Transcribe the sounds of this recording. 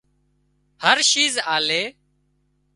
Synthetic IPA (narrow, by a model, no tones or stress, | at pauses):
həɾʃiːzaːleː